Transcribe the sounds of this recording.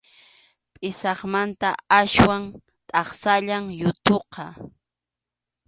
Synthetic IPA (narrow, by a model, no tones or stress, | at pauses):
pʼɪsɑχmant̪aaʃwaŋ | t̪ʼɑχsaʎaŋjʊt̪oqɑ